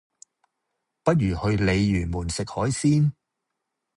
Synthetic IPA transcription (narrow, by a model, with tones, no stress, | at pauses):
pɐ˥t̚jyː˨˩hɵ˧ɥle˨˧jːyː˨˩nmuː˨˩nsɪ˨k̚hɔː˨˥jsiː˥n